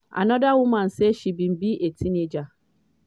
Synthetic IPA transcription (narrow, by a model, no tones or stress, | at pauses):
a̰nɔ̃dawumãn̩seʃibĩm̩biʔetʰined͡ʒa